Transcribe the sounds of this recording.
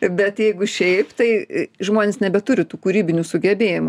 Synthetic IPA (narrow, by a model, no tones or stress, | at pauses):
bʲɛt̪jɛɪɡʊʃʲɛɪpt̪ɐɪʒmoːnʲeːsnʲɛbʲɛt̪ʊɾʲɪt̪uːkuːɾʲiːbʲɪnʲusʊɡʲɛbʲeːjɪmʊ